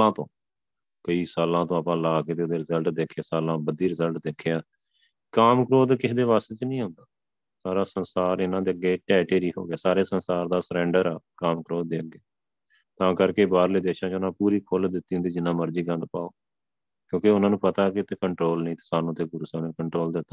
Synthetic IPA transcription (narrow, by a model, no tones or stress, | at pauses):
ãːt̪õː | kəiːsaːlãːt̪õːapãːlaːkeːt̪eːd̪eːɾɪzəlʈd̪eːkʰːjaːsaːlãːbəd̪iːɾɪzəlʈd̪eːkʰejaː | kaːmkɾoːd̪kɪsd̪eːʋaːst̪eːt͡ʃnĩːɦʊ̃nd̪aː | saːɾaːsənsaːɾɪnãːd̪eːəɡːeːʈɛːʈeːɾiːɦo̰ːɡɪaːsaːɾeːsənsaːɾd̪aːsəɾɛ̃ːɳɖəɾaːkaːmkɾoːd̪̚d̪eːəɡeː | t̪ãːkəɾkeːbaːɾliːd̪eːʃãːt͡ʃʊnãːpuːɾiːkʰʊld̪ɪt̪ːiːɦʊnd̪iːd͡ʒɪnãːməɾd͡ʒiːkənd̪paːoː | kjõːkeʊnãːnũːpət̪aːkɪt̪eːkəɳʈɾoːlnĩːt̪ɪ̥saːnõːt̪eːɡʊɾusaːnẽkəɳʈɾoːld̪ɪt̪ːḁː